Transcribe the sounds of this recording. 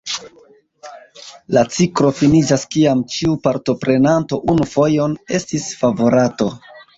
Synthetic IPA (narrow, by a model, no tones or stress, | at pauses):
lat͡sikɾo̞finid͡ʒaskiamt͡ʃiupaɾto̞pɾe̞nanto̞ʔunufo̞jo̞ne̞stisfavo̞ɾato̞